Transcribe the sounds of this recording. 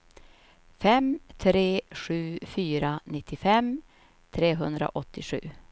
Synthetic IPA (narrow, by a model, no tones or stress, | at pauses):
fɛmt̪ʰɾeːɧʉ̟ːfyːɾanɪt̪ʰːɪfɛm | t̪ʰɾeːɦɵnd̪ɾa̰ʔɔt̪ʰːɪɧʉ̟̰ː